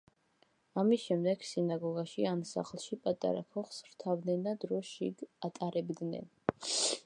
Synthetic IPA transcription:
amisʃɛmd̪ɛɡ̥sinaɡɔɡaʃiansa̰χlˠʃipʼat̪ʼa̰ɾa̰kʰɔχsɾt̪ʰavnɛnad̪ɾɔʃḭɡat̪ʼaɾɛbd̪nɛ̰n

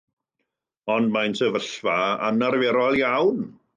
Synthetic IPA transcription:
ɔndmajnsəvəɬvaa̰naɾvɛɾɔlˠjawn

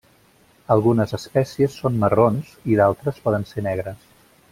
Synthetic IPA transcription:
əlˠɣunəzəspɛsiəsːonməronz̥iðalˠt̪ɾəspɔðənsenɛɣ̞ɾəs

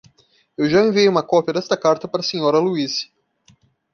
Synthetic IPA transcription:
ewʒaẽviejũmɐkɔpjɐd̪ɛst̪ɐkaɾt̪ɐpaɾɐsẽɲɔɾɐluis

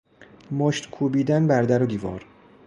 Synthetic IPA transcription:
moʃt̪kʰuːbiːd̪ænbæɾd̪æɾod̪iːvɒːɾ

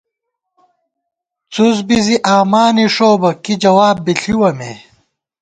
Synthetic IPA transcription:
t͡suzbiziʔaːmaːniʂoːbɐkid͡ʑɐwaːbːiɬiwɐmḛ

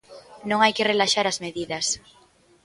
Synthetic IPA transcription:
nõŋajkerelaʃaɾazmeðiðɐs

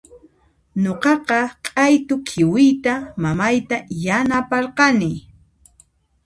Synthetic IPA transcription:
ɲoqɑqɑqʼajt̪ʊkʰɪwɪjt̪amamajt̪ajanapɑɾqɑnɪ

